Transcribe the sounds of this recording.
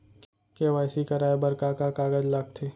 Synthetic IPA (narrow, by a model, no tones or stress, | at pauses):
k | keʋaːsikɐɾaːebɐɾkakakaːɡəd͡ʒlak̚t̪ʰeː